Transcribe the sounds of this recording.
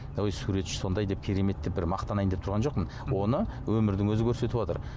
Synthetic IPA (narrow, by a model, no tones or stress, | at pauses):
jsuɾe̞t̪ʃɪ̥so̞nd̪ɑjd̪e̞p̚kʲʰeɾe̞me̞t̪ːɪbɪɾmɑqt̪ɑnɑjnd̪e̞pt̪ʰʊɾʁɑnʒo̞qmənwo̞nəwɵmɪɾd̪ɪŋwɵzɪkʲʰɵɾse̞t̪ɪpot̪ə̰ɾ